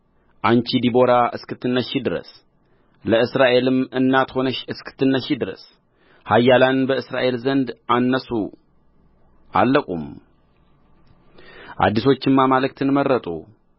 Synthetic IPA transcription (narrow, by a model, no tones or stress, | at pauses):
ʔant͡ʃid̪ibo̞ɾaʔɨskɨt̪ːɨnːəʃid̪ɨɾə̰s | ləɨsɾaʔe̞lɨmɨnːat̪ho̞nəʃɨskʰɨ̥t̪ːɨnːəʃid̪ɨɾə̰s | hajːalanbəɨsɾa̰ʔe̞lzənd̪anːəsu | ʔa̰lːəkʼṵm | ʔa̰d̪ːiso̞t͡ʃːɨmːamalɨkt̪ʰɨnməɾːət̪ʼṵ